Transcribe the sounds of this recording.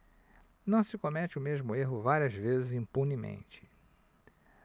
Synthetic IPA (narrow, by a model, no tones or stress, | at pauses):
nɐ̃w̃sɪkõmɛt͡ʃɪʊmeʒmʊeɦʊvaɾiɐzvezɪzĩmpunimḛ̃nt͡ʃɪ̥